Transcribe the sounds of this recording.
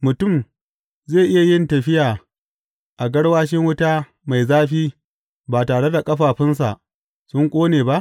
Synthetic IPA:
mʊ˨tʊ˦˨m | zeː˦˨ʔɪ˦ja˨jɪ˦ntɐ˨ɸɪ˦jaː˨ | ʔa˨ɡɐ˦ɽwaː˦ʃɪ˦ŋwʊ˦ta˦ | ma˨jzaː˦ɸiː˦ | baː˨taː˨ɽe˦da˨kʼɐ˦ɸaː˨ɸɪ˦ns̬a̰˨ʔ | sʊ˦ŋkʷʼoː˦neː˨ba˦ʔ

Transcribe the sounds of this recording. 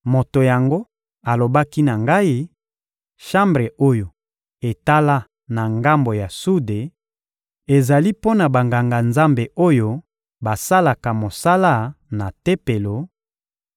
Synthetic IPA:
mo˨to˨ja˨ŋɡo˦ | a˨lo˨ba˦ki˦na˨ŋɡa˦i˦ | ʃa˦mbʁe˨ʔo˦jo˨ | e˨ta˦la˦ | na˨ŋɡa˦mbo˨ja˨su˦de˨ | e˨za˨li˦po˦na˨ba˨ŋɡa˨ŋɡa˨nza˦mbe˨ʔo˦jo˦ | ba˨sa˦la˨ka˨mo˨sa˦la˦na˨te˦pe˨lo˨

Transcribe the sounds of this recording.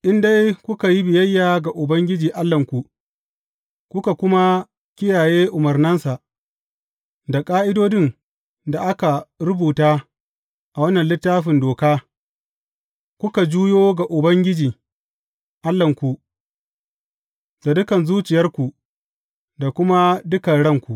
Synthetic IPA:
ʔɪ˦nda˦jkʷʊ˦ka˨ji˦bɪ˨jɐ˦jːaː˨ɡa˨ʔʊ˨bɐ˦ŋɡʲɪ˦d͡ʒiː˨ʔa˦lːɐ˨ŋkʷu˨ʔ | kʷʊ˦ka˨kʷʊ˦ma˦ | kʲɪ˦jaː˨jeː˦ʔʊ˨mɐ˨rnɐ˦nsa˨ʔ | da˨kʼaː˦ʔɪ˦doː˦dɪ˦n | da˨ʔa˦ka˨ɾʊ˦buː˨taː˦ | ʔa˨wɐ˦nːɐ˨nlɪ˦tːaː˦ɸɪ˨ndoː˨kaː˦ | kʷʊ˦ka˨d͡ʒu˦joː˦ɡa˨ʔʊ˨bɐ˦ŋɡʲɪ˦d͡ʒiː˨ | ʔa˦lːɐ˨ŋkʷu˨ʔ | z̥a˨dʊ˦kɐ˨nzuː˦t͡ʃɪ˨jɐ˦rkʷu˨ | da˨kʷʊ˦ma˦dʊ˦kɐ˨ɽɐ˦ŋkʷu˨ʔ

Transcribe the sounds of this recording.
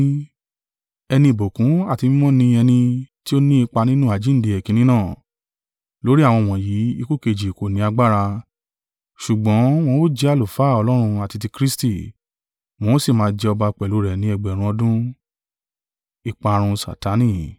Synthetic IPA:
ɛ˧nĩ˧˨bo˨kũ˨˦a˦˨ti˧mĩ˦mɔ̃˦nĩ˧ɛ˧nĩ˧ti˦o˦nĩ˦i˧k͡pa˧nĩ˦nũ˦˨a˨d͡ʒĩ˨˦n̩˦˨di˨˧ɛ˨kĩ˨˧nĩ˦nãː˦˨ | lo˨˦ɾi˦a˦˨wɔ̃˧˨w̃ɔ̃˨ji˨˦i˧ko˦˨ke˧˨d͡ʒi˨ko˨nĩ˨˦a˧ɡ͡ba˦ɾa˧ | ʃu˨ɡ͡bɔ̃˨˦w̃ɔ̃˧o˦d͡ʒɛ˧a˨˧lo˨fa˨˦˨ɔ˧lɔ˦ɾ̃ũ˧a˨ti˧t̬i˧kɾi˦sti˦˨ | w̃ɔ̃˧o˦si˦˨mãː˨˦d͡ʒɛ˧ɔ˧ba˧k͡pɛ˨lu˨˦ɾɛ˨nĩ˨˦ɛ˧ɡ͡bɛ˨ɾ̃ũ˧ɔ˧dũ˦ | i˦˨k͡pa˨˧ɾ̃ũ˧sa̰˨ta˨˦nĩ˦˨

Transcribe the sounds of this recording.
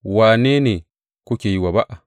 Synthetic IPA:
wa˨ne˦ne˨ | ku˦ke˨ji˨wa˨ba˦ʔa˨

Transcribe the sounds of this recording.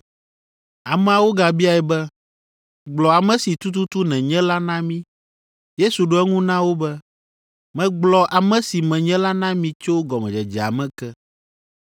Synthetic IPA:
a˨mɛ̃˨a˨wo˦ɡa˨bi˦a˨ɛ˨bɛ˦ | ɡ͡blɔ˨a˨mɛ̃˦si˨t̪u˦t̪̬u˦t̪u˦nɛ̃˨ɲɛ̃˦la˦nã˦mĩ˦ | je˦su˨ɖo˦ɛ˦ŋũ˦nã˦wo˦bɛ˦ | mɛ̃˨ɡ͡blɔ˨ʔa˨mɛ̃˦si˨mɛ̃˨ɲɛ̃˦la˦nã˦mĩ˦t͡ʃo˦ɡɔ˨mɛ̃˨d͡ʒɛ˨d͡ʒɛ˨a̰˨mɛ̃˦kɛ˦

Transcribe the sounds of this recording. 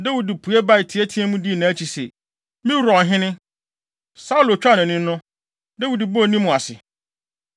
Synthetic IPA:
dɛ˦wu˨di˨pʰu˨ɛ˦ba˦˨ɪ˨tʰɪ˨ɛ˦tʰi˦ɛ˦mũ˦di˦˨nã˨˦t͡ɕʰi˨sḛ˨ | mɪ̃˦˨ɾɔ˨n˨ɦɪ̃˦nɪ̃˦ | sa˦u˦lʊ˨t͡ɕᶣa˦˨nɪ̃˨nɪ̃˦nː˦nʊ̃˦ | dɛ˦wu˨di˨bo˦˨nĩ˦mũ˨a˨sɪ̰˨

